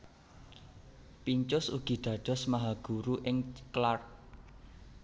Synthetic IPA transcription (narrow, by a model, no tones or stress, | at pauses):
piɲt͡ʃʊsṵɡ̥i̤d̪̥ä̤ɖ̪̥ɔ̤smaɦaɡ̥ṳɾuʔɪŋklar